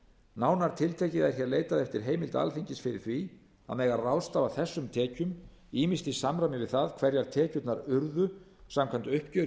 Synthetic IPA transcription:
naːwnaɾ̥t̪ʰɪlt̪ʰɛːcɪðɛɾ̥çɛːɾleːjt̪aðɛft̪ɪɾ̥ɦeːjmɪlt̪a̰lfiɲcɪsfɪɾɪ̰ɾ̥θvi | a̰ðmɛːjɣarawst̪aːvaθɛsːʏmt̪ʰɛːcʏm | iːmist̪isamɾamɪvɪðθaðkʰvɛɾjaɾ̥t̪ʰɛːcʏt̪naɾʏɾðʏ | samkʰant̪ʏhpcœːɾ

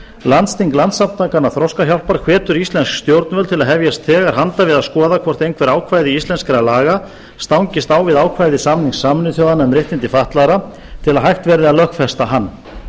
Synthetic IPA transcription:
lant̪st̪iŋklant̪samt̪akanːaθɾɔwskaçjawl̥paɾ̥kʰvɛːt̪ʏɾist̪lɛnskst̪jowɾt̪nvɛlt̪ʰɪlaðɦɛvjast̪ʰɛːɣaɾ̥ɦant̪avɪðaðskɔːðakʰvɔr̥t̪ejnkʰvɛɾaːwkʰvajðɪist̪ɛnskaɾalaːɣa | st̪awŋcɪst̪aːwvɪðaːwkʰvajðɪsaːmniŋsaːmʏnʏθjawðanɛmɾeht̪ɪnt̪ɪfaht̪laɾa | t̪ʰɪlaðɦajht̪vɛɾðɪaðlœhkfɛst̪aɦanː

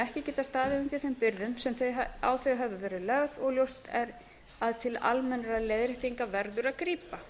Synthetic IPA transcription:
ɛhcɪcɛːt̪ast̪aːðɪʏmfjɛθempɪɾðʏmsɛmθeawθeɦɛvʏvɛːɾɪlœɣðɔɣljowst̪ɛɾ | aðt̪ʰɪla̰lmɛnɾaleðɾɪht̪iŋkavɛɾðʏɾaðkɾiːpa

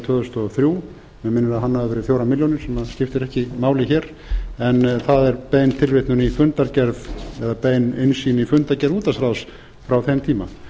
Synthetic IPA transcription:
t̪ʰœːðʏst̪ɔɣθɾjuː | mɛmɪnːʏɾaðɦanːavavɛːɾɪθjowɾamɪljownɪɾsɛmːaðscɪft̪ɪɾɛhcɪmaːwlɪçɛːɾ | ɛnθaðɛɾpeːjnt̪ʰɪlvɪht̪nunifʏnt̪aɾcɛɾðɛðapeːjnɪnsiːnifʏnt̪aɾcɛɾðuːt̪asɾaws | fɾawθɛmt̪ʰiːma

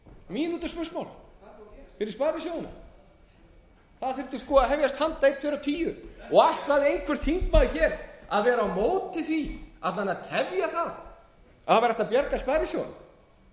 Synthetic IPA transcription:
miːnuːt̪ʏspʏsmawl | fɪɾɪɾspaːɾɪsjoːwɪnʏ̰m | θaðθɪɾ̥t̪ɪ̥skɔːaɦɛvjast̪hant̪ːejt̪fɪɾawt̪ʰiːjʏɔɣaht̪laðɪejnkʰvɛɾ̥t̪ʰiŋkmaːðʏçɛːɾaðvɛːɾaːwmoːwt̪ɪθviaðlanːat̪ʰɛvjaθað | aavɛɾɛht̪apjɛɾkaspaːɾɪsjowɪn

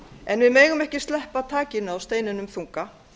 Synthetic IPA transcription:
ɛnvɪðmeːjɣʏmɛhcɪst̪lɛhpat̪ʰaːcɪnʏawst̪eːjnɪnʏmθuŋka

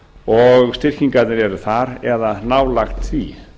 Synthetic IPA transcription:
ɔɣst̪ɪr̥ciŋkat̪nɪɾɛɾʏθaɾɛðanaːwlaxt̪θvi

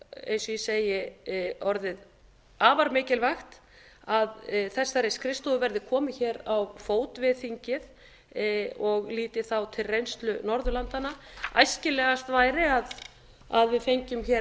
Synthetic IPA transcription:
ḛjnsɔjiɛseːjɪɔɾðɪð | aːvaɾmɪːcɪlvaxt̪ | aðθɛsːaɾejskʰɾɪst̪uvɛɾðɪkʰɔːmɪçɛːɾawfoːwt̪vɪðθiɲcɪð | ɔɣliːt̪ɪθawt̪ʰɪlrejnst̪lʏnɔɾðʏlant̪anaajscɪlɛːɣast̪vaːjɾɪað | aðvɪðfejɲcʏmçɛ

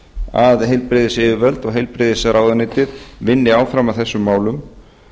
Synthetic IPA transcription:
aðɦejlpɾɪːðɪsɪːvɪvœlt̪ɔɣɦejlpɾɪðɪsɾaːwðʏnɪjt̪ɪðvɪnːɪaːwfɾamaðθɛsːʏmːaːwlʏm

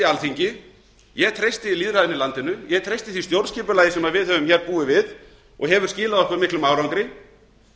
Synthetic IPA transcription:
alθiɲcɪ | jɛt̪ʰɾejst̪ɪɪliːðɾaðɪnɪlant̪ɪnʏjɛɣt̪ʰɾejst̪ɪ̥θist̪jowɾnscɪːpʏlaːjɪsɛmaðvɪðhɛvʏmçɛɾpuːɪvɪð | ɔ̰ɣɦɛvʏɾscɪːlaðɔhkvʏɾmɪhklʏmawɾawŋkɾɪ

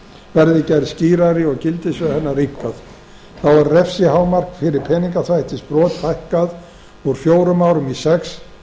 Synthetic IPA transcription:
vɛɾðɪcɛɾðsciːɾaɾɪɔɣcɪlt̪ɪsvɛhɛnːarihpkað | θawvaɾrɛfsɪhaːwmar̥kfɪɾɪɾpʰɛːniŋkaθajht̪ɪspɾɔːt̪fajhkað | ɔɾfjoːwɾʏmawɾʏmisɛks

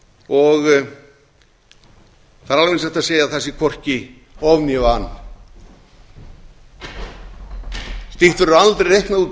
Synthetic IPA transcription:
ɔɣ | θaɾalvɪnsɛft̪aseːjaθɛsːɪkʰvɔr̥cɪ | ɔvnjɛvanː | st̪iht̪vʏɾʏɾalt̪ɾeɾejhknaðuːt̪

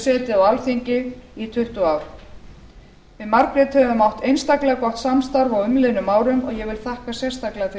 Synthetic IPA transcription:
sɛːt̪ɪawalθiɲcɪit̪ʰʏht̪ʊaːwɾ̥ | vɪðmaɾkɾɪt̪hɛvʏmːawht̪ejnst̪aklɛɣakɔht̪samst̪aɾvawʏmlɪðnʏmaːwɾʏmɔ̰ɣjɛɣvɪlθahkasjɛ̥st̪aklɛɣafɪ

